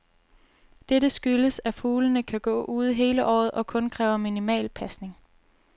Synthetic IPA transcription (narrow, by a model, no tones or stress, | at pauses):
d̥eɾəsɡ̥yləsæfuːlənəkʰæɡ̥ɔ̰̽ːʔuːð̞̩ˠɦe̝ːləʔɒ̰ːð̞̩ˠʔɒ̽kʰɔ̽nkʰʁɛːʊɐminimɛ̰ːlpʰæsne̝ŋ